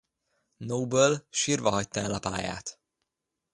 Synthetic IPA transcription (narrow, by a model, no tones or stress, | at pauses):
nowbølʃiːrvɒɦɒct̪ɒɛlɒpa̰ːja̰ːt̪